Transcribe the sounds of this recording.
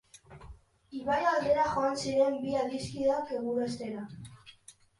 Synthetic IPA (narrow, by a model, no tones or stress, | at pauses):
iβajald̪e̞ɾaʝoansiɾe̞mbiaðiskiðakeɣuɾaest̪eɾa